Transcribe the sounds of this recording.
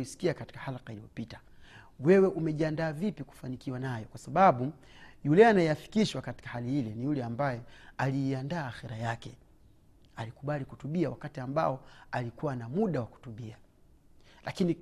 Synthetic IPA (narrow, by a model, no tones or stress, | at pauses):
isi̥kiakati̥kḁhalaqailijɔpitḁ | wɛwɛʔumɛʄiandaːvipiku̥fanikiwanajɔkwasaɓaɓu | julɛanajɛjafi̥kiʃwakati̥kahalihilɛnijulɛambajɛaliːandaːxɛɾajakɛ | alikuɓalikutuɓiawakatiamba̰ɔalikuwanamuɗawaku̥tuɓia | lʔakini